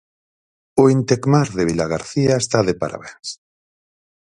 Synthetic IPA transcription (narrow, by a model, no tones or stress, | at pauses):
oint̪ekmaɾðeβilaɣ̞aɾθiaest̪aðepa̰ɾa̰βens